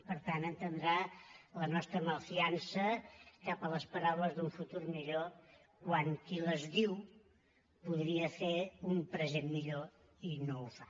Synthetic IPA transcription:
pəɾt̪anənt̪ənd̪ɾalənɔst̪ɾəməfiansəkapələspəɾawləzðuɱfut̪urmiʎo | kwaŋkiləzðiw | puð̞ɾiəfeumpɾəzemːiʎo | inoufḁ

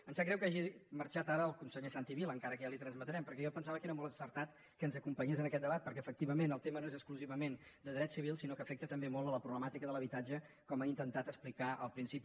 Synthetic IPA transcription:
ənzakɾɛwkaʒiməɾt͡ʃat̪aɾəːlˠkunsəʎesant̪iβilˠəŋkaɾəkəjalit̪ɾənzmət̪ɾɛmpəɾkɛʒɔpənsaβəkeɾəmɔlˠəsəɾt̪at̪ | kənzəkumpəɲezənəkɛt̪̚d̪əβat̪̚pəɾkɛəfək̚t̪iβəmenəlˠt̪emənoezəkskluziβəmend̪əðɾɛt̪siβilˠsinokəfɛk̚t̪ət̪əmbemɔlˠələpɾuβləmat̪ikəðələβ̞it̪ad͡ʒə | kɔmaint̪ənt̪at̪əsplikaʔə̰lˠpɾinsipi

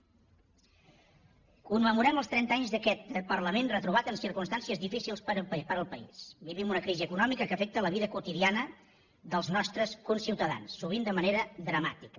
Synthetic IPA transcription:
kumːəmuɾɛməlˠst̪ɾɛnt̪aɲzðəkɛt̪̚pərləmenrət̪ɾuβat̪ənsiɾkunst̪ansiəzðifisilˠspəɾpəɾəlˠpəḭsbiβimunəkɾiziəkunɔmikəkəfɛk̚t̪ələβiðəkut̪iðianə | ðəlˠznɔst̪ɾəskunsiwt̪əða̰nsːuβ̞ind̪əməneɾəðɾəma̰t̪ikə

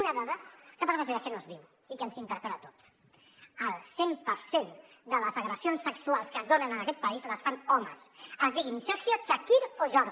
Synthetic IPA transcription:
unəðaðəkəpaɾðəzeasenozðiw | ikənsint̪əɾpɛlət̪o̥t̪s | əlˠsempəɾsen | d̪ələzəɣɾəsionsːəksualˠskəzðonənənəkɛt̪̚pəizləsfanɔmə̰səzðiɣimisafjot͡ʃakiɾfoʒɔɾð

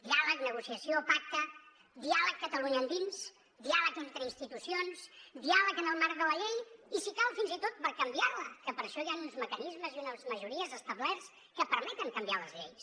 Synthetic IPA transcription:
d̪ialəknəɣ̞usiəsiopak̚t̪ə | d̪ialəkːət̪əluɲəːnd̪ins | d̪ialəkent̪ɾəinst̪it̪usionsd̪ialəkənəlˠmaɾd̪ələʎejisikalˠfinzit̪ot̪̚pəɾkəmbiarləkəpəɾʃɔjanunzməkənizməziunəzməʒuɾiəzəst̪əβlɛrs | kəpəɾmɛt̪əŋkəmbialəzʎḛjs

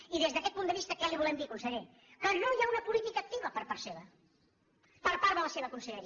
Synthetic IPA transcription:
iðezðəkɛt̪̚pund̪əβist̪əkɛliβ̞ulɛmd̪ikunsəʎe | kənojaunəpulit̪ikək̚t̪iβəpəɾpaɾseβə | pəɾpaɾðələseβəkunsəʎəɾi

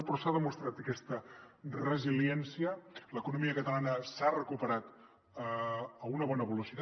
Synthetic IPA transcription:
pɾɔsaðəmust̪ɾat̪əkɛst̪ərəziljɛnsiələkunumiəkət̪əlanəsarəkupəɾat̪ | əunəβ̞ɔnəβəlusit̪a

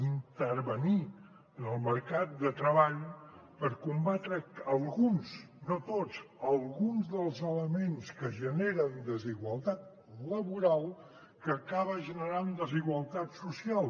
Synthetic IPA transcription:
int̪əɾβəni | ənəlˠməɾkat̪̚d̪ət̪ɾəβaʎ | pəɾkumbat̪ɾəəlˠɣunsnot̪ott͡səlˠɣunzðəlˠzələmenskəʒəneɾənd̪əziɣwəlˠt̪at̪̚ | ləβuɾalˠ | kəːkaβəʒənəɾand̪əziɣwəlˠt̪at̪susialˠ

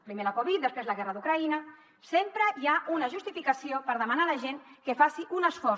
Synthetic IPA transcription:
pɾimeləkoβit̪̚d̪əspɾezləɣɛrəðukɾainə | sempɾəiaʔunəʒust̪ifikəsiopəɾðəmanaləʒeŋkəfasiʔunəsfɔ

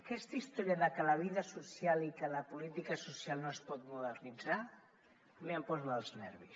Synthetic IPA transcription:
kɛst̪aist̪oɾjaðakəlaβ̞iðasusjalikəlapulit̪ikasusjalˠnoespɔt̪muðərnidd͡za | meampɔzalznɛ̰ɾβḭs

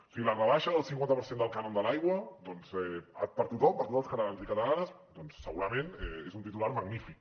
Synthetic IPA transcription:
siɣilərəβaʃəðəlˠsiŋkwant̪əpəɾsend̪əlˠkanond̪əlajɣwəd̪ɔnzɛə̰pəɾt̪ut̪ɔmpəɾt̪ut̪ɔskət̪alanzikət̪əlanəs | d̪ɔnsːəɣuɾəmẽnɛezunt̪̬it̪ulaɾməɡnifik̚

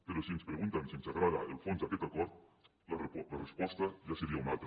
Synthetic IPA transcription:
peɾosienspɾeɣunt̪ansiensaɣɾaða̰elfonsaket̪akoɾt̪ | lalarespwest̪aʒaseɾiaunalt̪ɾa

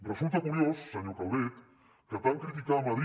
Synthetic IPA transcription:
rrəsulˠt̪akuɾjosːəɲokawβet̪ | kət̪aŋkɾit̪ikamaðɾ

